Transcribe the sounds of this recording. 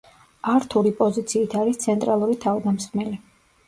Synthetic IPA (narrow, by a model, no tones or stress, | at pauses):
aɾt̪ʰuɾipʼɔzit̪sʰiːt̪ʰaɾist̪sʰɛnt̪ʼɾalˠuɾit̪ʰavd̪amsmɛli